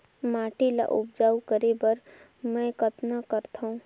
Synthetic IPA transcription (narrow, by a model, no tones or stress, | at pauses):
maːʈila̰ʔʊbd͡ʒaːukəɾebəɾ | mɛ̃ːkət̪nakəɾt̪ʰaũ